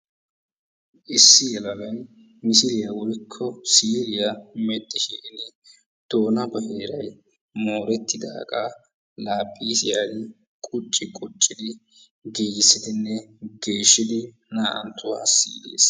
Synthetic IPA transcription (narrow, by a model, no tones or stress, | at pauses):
ʔɪsːɪjɛlɐɡɐn | mɪsɪɾɪjɐwɔjkʰːɔsiːɾɪjɐmɛt̪ʼːɪʃɪlɪnɛ | d̪̥o̞ːnɐbɐheːɾɐj | mo̞ːɾɛt̪ːɪd̪a̰ːkʼaː | laːpʼːiːsɪjaːdɪ | kʼʊt͡ʃʼːɪkʼʊt͡ʃʼːɪd̪ɪ | ɡeːɡɪsːɪd̪ɪnːɛɡe̞ːʃːɪd̪ɪ | naːʔɐ̰nt̪ʰːʊwa̰ːsḭːɡḛːs